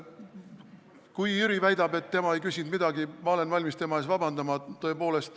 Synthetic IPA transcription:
kujyɾivæjd̪ɑb̥e̞t̪ːe̞mɑe̞jkysʲind̪mid̪̥ɑɡ̥imɑo̞le̞nvɑlʲmist̪e̞mɑe̞ːsvɑb̥ɑnd̪ɑmɑt̪o̞e̞po̞ːle̞st̪

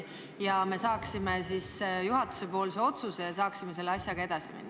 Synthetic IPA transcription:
jɑme̞sɑːksime̞siːsjuɦɑt̪ːu̥se̞po̞ːlse̞o̞t̪susejɑs̬ɑːksime̞s̬e̞lːeɑsʲjɑɡ̥ɑe̞d̪̥ɑsimæ̰nʲː

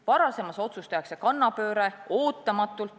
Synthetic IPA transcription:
vɑɾɑse̞mɑso̞t̪sust̪ejɑkse̞kɑnːɑpø̞ːɾe̞oːt̪ːˑɑmɑt̪ːˑult̪

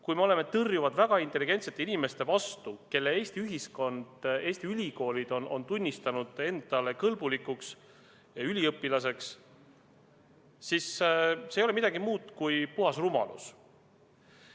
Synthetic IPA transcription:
kujme̞o̞le̞me̞t̪ɤrjuvɑd̪væɡ̥ɑint̪ːˑe̞liɡ̥e̞nt̪se̞t̪ːˑe̞inime̞st̪e̞vɑst̪uke̞lːe̞e̞ːsʲt̪iyɦisko̞nd̪̥e̞ːst̪iylʲiko̞ːlid̪̥o̞no̞̰nt̪unʲːist̪ɑnud̪̥e̞nd̪̥ɑle̞kɤlbulikːˑuks | ylʲiɤpːˑilɑse̞ks | isseːjo̞le̞mid̪̥ɑɡimuːd̪̥kujpuɦɑsrumɑ̰lṵs

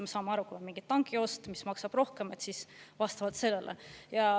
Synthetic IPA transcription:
mesɑːmeɑɾukuɑmiŋɡ̥it̪ːɑŋɡio̞st̪mismɑksɑb̥ro̞hke̞met̪sisvɑst̪ɑvɑlt̪se̞lːe̞lʔḛjɑ

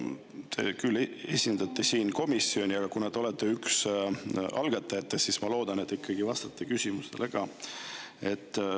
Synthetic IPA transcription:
t̪ʰe̞̰kylːe̞sʲind̪̥ɑt̪ːesiːnko̞misːio̞nʲiɑɡ̥ɑkunɑd̪̥o̞let̪ːˑeyks | ɑlɡ̥ɑt̪ːˑɑjet̪ːˑesːismɑlo̞ːd̪̥ɑne̞t̪ːˑikʰːɑɡ̥ivɑst̪ɑ̥t̪ˑːekysʲimust̪elʔeɡ̥ɑ | e̞t̪ːˑ

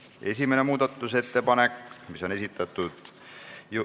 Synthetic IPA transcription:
e̞̰s̬ʲimene̞muːd̪ɑt̪ˑːuse̞t̪ːe̞pɑne̞kmiso̞ne̞sit̪ːˑɑt̪ːˑud̪̥ | ju

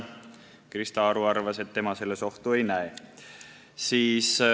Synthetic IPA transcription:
krist̪ɑɾuɑrvɑse̞t̪ːemɑse̞lːe̞so̞ht̪ue̞jnæe | siːs

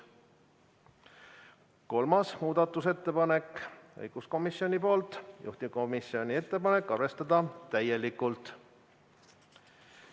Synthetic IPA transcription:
ko̞lmɑsmuːd̪̥ɑt̪ːˑuse̞t̪ːe̞pɑne̞kːɤ̰jɡ̥usko̞misːio̞nʲipo̞ːlt̪ˑjṵht̪iko̞misio̞nʲie̞t̪ˑːe̞pɑne̞kˑːɑrve̞st̪ɑd̪̥ɑt̪æje̞likːult̪ˑ

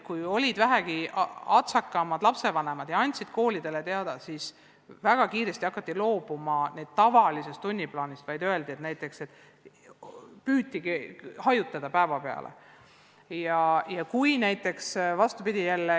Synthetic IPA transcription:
kujo̞lʲid̪væɦæɡ̥iɑt̪sɑkːˑɑmɑd̪̥lɑpse̞vɑne̞mɑd̪̥jɑɑnʲt̪ʲsid̪̥ko̞ːlʲid̪̥e̞le̞t̪eɑd̪̥ɑsis | væɡ̥ɑkiːɾe̞st̪iɑkːˑɑt̪ːilo̞ːb̥umɑneːd̪̥t̪ɑvɑlise̞st̪unʲːiplɑːnʲist̪vɑjd̪ø̞e̞ld̪ie̞t̪næjt̪ːˑe̞kset̪ːˑ | pyːt̪ʲːˑiɡihɑjut̪ːˑɑd̪̥ɑpæevɑpe̞ɑ̰lʔḛ | jɑjɑkujnæjt̪ːˑe̞ksvɑst̪upid̪̥ʲijælːe

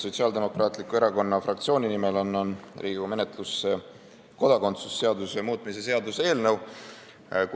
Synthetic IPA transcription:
so̞t̪ʲsiɑːld̪e̞mo̞krɑːt̪ˑlikːˑue̞ɾɑko̞nːɑfrɑk̚t̪sio̞ːnʲinime̞lonːonrʔiːɡume̞net̪lusːe | ko̞d̪̥ɑko̞nt̪susːe̞ɑd̪usemuːt̪mise̞se̞ɑd̪use̞ːlnəw | k

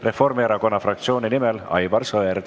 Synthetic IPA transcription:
re̞fo̞rmeɾɑko̞nːɑfrɑk̚t̪sio̞ːninimɛlɑ̰jbɑrsoeɾ

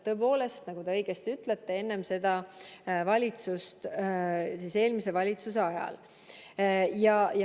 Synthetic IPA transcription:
t̪ːɤ̞epo̞ːle̞st̪nɑɡ̥ud̪e̞ɤjɡ̥est̪yt̪ˑlet̪ːee̞nːe̞mse̞d̪̥ɑvɑlʲit̪sust̪ | sise̞ːlmise̞vɑlʲit̪sus̬e̞ɑjɑ̰l | jɑjɑ

